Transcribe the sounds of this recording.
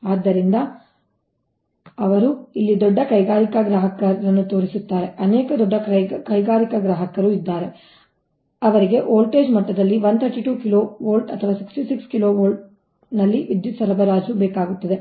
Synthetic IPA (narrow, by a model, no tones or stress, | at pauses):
aːd̪ːɐɾind̪ɐ | ɐʋɐɾuilːid̪ɔɖːɐkɐjɡaːɾikɐɡɾaːɦɐkɐɾɐɾɐnːut̪o̞ːɾisut̪ːaːɾe̞ɐneːkɐd̪ɔɖːɐkɐjɡaːɾikɐɡɾaːɦɐkɐɾuid̪ːaːɾe̞ | ɐʋɐɾiɡe̞ʔoːlʈe̞ːd͡ʒmɐʈːɐd̪ɐlːiʋɐnd̪t̪ʰɐɾʈiʈuːkiloːʋoːlʈɐt̪ʰːɐʋaːsi̥ksʈisikskiloːʋoːlʈ | nɐlːiʋid̪jut̪sɐɾɐbɐɾaːd͡ʒubɛːkaːɡut̪ːɐd̪e̞